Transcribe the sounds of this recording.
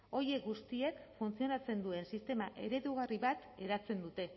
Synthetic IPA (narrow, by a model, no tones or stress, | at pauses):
o̞je̞kɡust̪ie̞kfunt͡sio̞nat͡se̞nd̪ue̞nsist̪e̞maʔe̞̰ɾe̞ðuɣ̞ariβat̪e̞ɾat͡se̞nd̪ut̪e̞